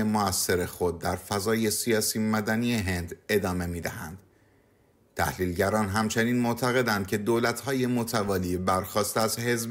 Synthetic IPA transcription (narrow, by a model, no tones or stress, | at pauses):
emoæsːe̞ɾe̞xo̞d̪̚ːæɾfæzɒːje̞sijɒːsiːmæd̪ænije̞ɦe̞nd̪e̞d̪ɒːme̞miːd̪æhæ̰nd̪̥ | t̪ʰæ̰hliːlɟæɾɒːnɦæmt͡ʃʰe̞niːnmoʔt̪ʰæɣe̞d̪ænd̪̚cʰe̞d̪oːlæt̪ʰhɒːje̞mot̪ʰævɒːliːbæɾxɒːst̪æzhe̞zb